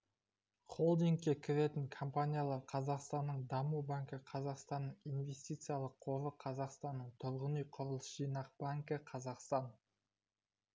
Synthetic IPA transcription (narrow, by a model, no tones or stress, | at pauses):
χo̞lˠd̪iŋkʲːe̞kʲʰɪɾe̞t̪ɪŋkʰompanʲijalˠɑɾqʰɑzɑqst̪ɑnːəɴd̪ɑmubaŋkəqʰɑzɑqst̪ɑnːəɴijnve̞sʲt̪ʲijt̪sɨjɑlˠəqʰːo̞vəqʰɑzɑqst̪ɑnːəɴt̪ʰʊɾʁənijqʰʊɾəlˠəsʒ̥ijnɑq̚b̥aŋkəqʰɑzɑqst̪ɑn